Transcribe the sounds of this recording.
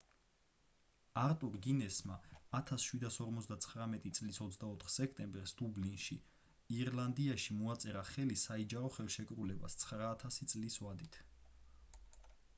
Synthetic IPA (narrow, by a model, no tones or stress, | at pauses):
aɾt̪ʼuɾɡinɛsmaːt̪ʰasʃwid̪asɔɾmɔt̪sʰd̪at̪sʰχɾamɛt̪ʼit̪sʼlisɔt̪sʰd̪aɔt̪ʰχsɛkʰt̪ʼɛmbɛɾsd̪ublinʃi | iɾland̪iaʃimuat̪sʼɛɾaχɛlisaid͡ʒaɾɔχɛlˠʃɛkʼɾulɛba̰st̪sʰχɾaːt̪ʰasit̪sʼlisvad̪it̪ʰ